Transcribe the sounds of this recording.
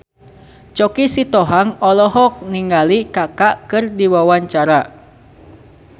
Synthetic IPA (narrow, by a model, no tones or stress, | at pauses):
t͡ʃɔkisit̪ɔɦaŋɔlɔɦɔk̚niŋalikakaʔkɨrdiwawaɲt͡ʃaɾa